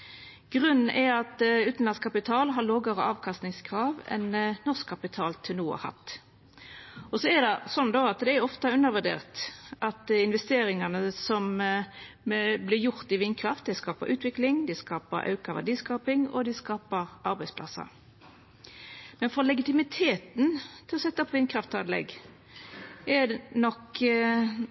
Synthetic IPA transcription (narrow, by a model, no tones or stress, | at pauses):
ɡ̥ʁʉnn̩ʔɛɑt̪ʉːt̪n̩lɑnskʰɑpɪt̪ʰɑːlɦɑloːɡəɾəɑːʋkʰɑst̪nɪŋskʰɾɑːʋɛ̰nnɔʁskʰːɑpɪt̪ʰɑːlt̪ʰɪlnuːə̰hɑ̰t̪ː | ɔsɔɛd̪ɛsɔnd̪oːɑt̪d̪ɛæɾɔft̪ɑʉnːəʁʋʉd̪ḛːʁt̪ʔɑt̪ɪnʋɛst̪eːɾɪŋɑnəsɔm | blɪɾjʊɾt̪ɪʋɪnkʰɾɑft̪̚d̪æɪskɑːpəɾʔʉːt̪ʋɪklɪŋd̪ɪskɑːpə̰ɾʔɑ̰ʉkɑʋæ̰diːskɑːpɪŋɔ̰d̪ɪskɑːpəɾʔɑɾbæɪspʰlɑ̰sːə̰ɾ | mɛnfɔlɛɡɪt̪ɪmɪt̪ʰeːt̪nt̪ʰɪlɔsɛt̪ːɑpʰɔʋɪnkʰɾɑft̪ɑd̪lɛ̰ɡ | ɛdnɔk